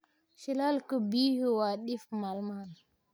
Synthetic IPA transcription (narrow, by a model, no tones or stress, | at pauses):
ʃilalkəbihuwaɗifmalmal